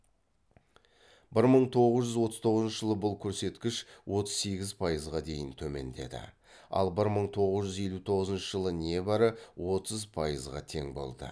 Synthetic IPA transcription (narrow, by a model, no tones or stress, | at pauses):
bɪɾməɴt̪ʰo̞ʁəzʒʏzwo̞t̪əz̥t̪ʰo̞ʁəzənʃəʒ̥əlˠəbʊlˠkʲʰɵɾse̞t̪kʲɪʃwʔo̞t̪ə̥z̥se̞ɡʲɪzpʰɑjəzʁɑd̪e̞jɪnt̪ʰɵme̞̰nd̪e̞̰d̪ɪ̰ | ɑ̰lˠbɪɾməɴt̪ʰo̞ʁəzʒʏzje̞lut̪ʰo̞ʁəzənʃəʒəlˠəne̞bɑɾəwʔo̞t̪ʰəzpʰɑjəzʁɑ̰t̪ʰe̞ŋbo̞̰lˠd̪ə̰